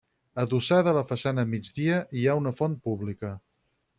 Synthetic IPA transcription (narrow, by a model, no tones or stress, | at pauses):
əðusaðələfəsanəmid͡zðiəʔiaunəfɔnpuβlikə